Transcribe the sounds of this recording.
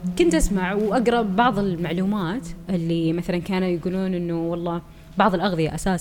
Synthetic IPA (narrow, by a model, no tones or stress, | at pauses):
kʊnt̪ʔasmaʕwʔaɡɾˤɑbbɑʕðˤɪlmaʕluːmaːt̪ʔɪlːimaθalankaːnujɪɡuːluːnʔɪnːuwɑlˤːɑː | bɑʕðˤɨlʔaɣðˤɨja̰ʔasaːs